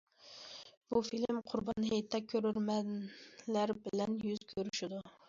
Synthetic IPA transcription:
b̥ufilmqʰʊɾbɑnɦejt̪ʰːɛkʲʰːøɾyɾmɛlæɾbɪlɛnjyz̥kʲʰøɾyʃid̪u

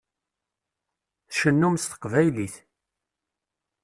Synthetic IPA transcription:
θʃənːumst̪ə̥qvæjliθ

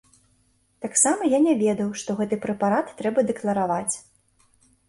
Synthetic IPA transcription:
t̪aksamɐjanʲɛvʲɛd̪ɐwʂt̪ɔɣɛt̪ɨpɾɛpaɾat̪ːɾɛbɐd̪ɛklˠɐɾavat͡sʲ

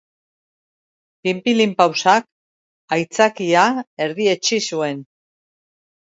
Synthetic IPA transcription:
pimpilimpawsak | ajt͡sakiae̞ɾðie̞t͡ʃisue̞n

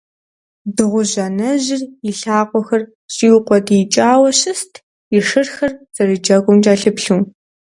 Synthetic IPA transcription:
dɨʁʷʊʑɐnɐʑɪriɬaːqʷɔxɐr | ɕʼiːwqʷɔdijt͡ʃʼaːwɐɕɨstʰ | iʂɨrxɐrz̥ɐrɨd͡ʒɐɡʷʊmt͡ʃʼaːɬɨpɬuː

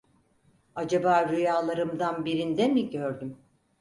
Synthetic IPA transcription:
ad͡ʒabaːɾyjaːlˠaɾɯmd̪anbiɾind̪ɛmiɟøɾd̪ym

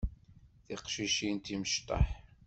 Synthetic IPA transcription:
θiqʃiʃint̪iməʃt̪ˤɑ̰ħ

